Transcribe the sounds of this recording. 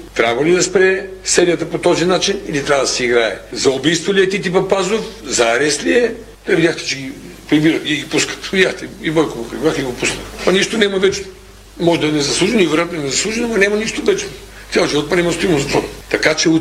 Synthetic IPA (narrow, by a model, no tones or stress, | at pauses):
t̪ɾʲabɐlid̪ɐspɾɛsɛɾijət̪əpot̪ɔzinat͡ʃinilit̪ɾʲavɐəd̪ɐsɛiɡɾaɛ̰zɐʊbijst̪voliɛt̪it̪̬ipɐpazofzɐːɾɛst̪liɛ | d̪vidʲjaxt̪ɛ̥t͡ʃɛɡipɾibiɾət̪ɡʲɡipuskə̥t̪vid̪ʲjaxt̪ɛibɔjkoɡopɾibiɾaxiiɡopusnətpɐniʃt̪onɛmɐvɛt͡ʃ | mɔʒɛd̪ɐɛnɛzɐslˠuʒɛnoivɛɾojat̪noɛnɛzɐslˠuʒɛnomɐnamɐniʃt̪ovɛt͡ʃno | t̪ʲjalˠʒivɔt̪̚pɐɾnimɐst̪oimozɐt̪vot̪ɐkat͡ʃɛ